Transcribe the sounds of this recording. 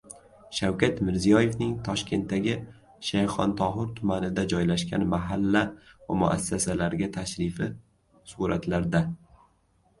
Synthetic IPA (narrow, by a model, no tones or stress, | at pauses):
ʃawkʲat̪mɪɾzijɒje̞fnɪŋt̪ʰɒʃkʲʰe̞nt̪ːaɡʲɪ | ʃajχɒnt̪ʰɒɦɪɾt̪ʰʊmanɪd̪ad͡ʒɒjlaʃkʲanmaɦalːavamʊ̰ʔa̰sːasalaɾɡʲat̪ʰaʃɾɪfɪ | suɾat̪laɾd̪a